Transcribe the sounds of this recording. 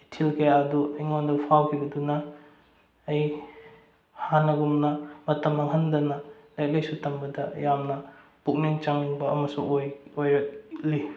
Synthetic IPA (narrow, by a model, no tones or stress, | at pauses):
tʰilkʰɐjaɐduɐjŋondɐpʰawkʰibɐdunɐː | j | hanɐɡumnɐmɐtɐmɐŋɦɐndɐnɐlɐjk̚lɐjsutʰɐmbɐdɐjamnɐ | puk̚niŋt͡ʃaŋiŋbɐɐmɐsuŋojojɾɐk̚li